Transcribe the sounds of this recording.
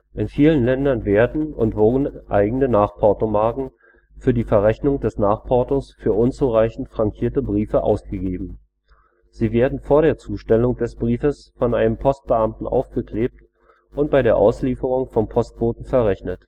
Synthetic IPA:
ʔɪnfiːlənlɛndɐnveːɐdn̩ʊ̰ntv̥ʊɐdn̩ʔa̰ɪɡŋ̩ənaːχpʰɔɐtomaɐkŋ̩ | fyːɐdiːfɛɐʁɛçnʊŋdɛsnaːχpʰɔɐtosfyːɐʔʊnt͡suʁaɪçn̩tfʁ̥aŋkʰiːɐtəbʁiːfəʔa̰ʊsɡ̥əɡeːbm̩ | z̥iːveːɐdn̩foːɐɾeːɐt͡suːʃtɛlʊŋd̥ɛsb̥ʁiːfəs | fɔnʔaɪnəmpʰɔst̚b̥əʔamtn̩ʔa̰ʊfɡ̥əkʰl̥eːp̚t | ʔʊnt̚b̥aɪɾeːɐʔaʊsliːfəʁ̞ʊŋfɔnpʰɔst̚kv̥oːtn̩fɛɐʁɛçnət

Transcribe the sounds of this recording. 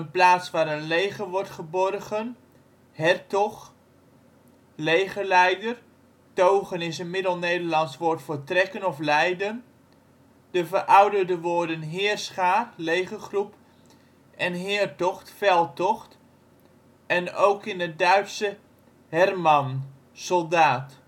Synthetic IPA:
ənplaːtsʋaːɾənlejχəʋɔɹtχəbɔrɣən | hɛrtɔχ | lejχəlɛjdər | towχənɪsənmɪdəlˠnejdəɹlɑnsʋʊːɹtfoːɹtrɛkənɔflɛjdən | d̥əvərʔɑwdədəʋoːɹdənɦɪːrsχaːrlejχəχrup | ʔɛnɦɪːəɹtɔχtfɛlˠtɔχt | ɛnowkɪnədœɥtsə | hɛrmɑn | sɔlˠdaːt

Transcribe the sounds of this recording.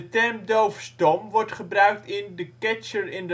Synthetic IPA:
ətɛɹmdowfstɔmʋɔɹtχəbrœɥk̚tɪndəkɛt͡ʃəɹɪndə

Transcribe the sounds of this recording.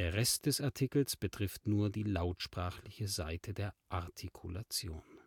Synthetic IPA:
eːɐʁɛstd̥ɛsaɐtʰikl̩sb̥ətʁ̥ɪftnuːɐdiːlaʊtʃpʁ̥aːχlɪçəzaɪtʰədeːɐʔaɐtʰikʰulat͡sjo̰ːn

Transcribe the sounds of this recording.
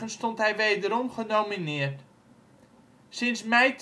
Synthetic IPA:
ənstɔntɦɛjʋejdəɾɔmχənowminɪərt | sɪnsmɛjt

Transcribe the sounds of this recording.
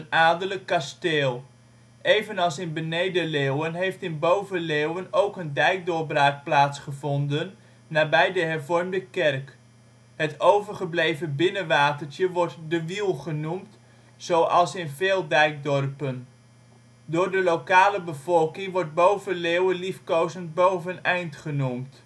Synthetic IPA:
ənaːdələkːasteːlˠ | ʔejvənɑlˠsɪnbənejdəlewənɦejftɪnbowvəlewənowkəndɛjk̚dʊrbraːk̚plaːtsχəvɔndənː | aːbɛjdəɦɛɹvɔrmdəkɛrk | ɦətowvəɹχəblejvəbɪnəʋaːtəɹtjəʋɔɹtdəʋilˠχənumt | z̥owʔɑlˠsɪnveːlˠdɛjk̚dɔrpən | dʊːɹdəlowkaːləbəv̥ɔlˠkɪŋʋɔɹd̚bowvəleːwəlifkowzənt̚bowvənɛjntχənumt

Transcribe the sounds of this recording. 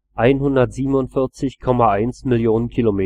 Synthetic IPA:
ʔaɪnɦʊndɐtz̥iːbm̩ʊntfɪɐt͡sɪçkʰɔmaʔaɪnsmɪljoːnənkʰilomeː

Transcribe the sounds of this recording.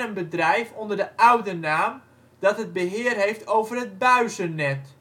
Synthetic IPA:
ənbədrɛjfɔndərdəʔœwdənaːm | d̥ɑtɦəd̚bəɦɪərɦejftowvərət̚bœɥzənɛt

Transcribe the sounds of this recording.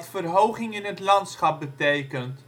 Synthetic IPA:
tfərɦowχɪŋɪnɦətlɑntsχɑp̚bətejkənt

